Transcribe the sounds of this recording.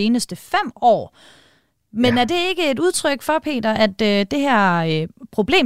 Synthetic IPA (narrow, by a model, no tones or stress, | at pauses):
e̝ːnəsd̥əfem̰ɒ̰ː | menæɐd̥e̝e̝ɡ̥əe̝duð̞ˠt͡sʰʁœɡ̥fɒ̽pʰe̝̰ːd̥ɐʔæd̥ød̥e̝ɦæɐ̰øpʰʁo̝b̥le̝̰ː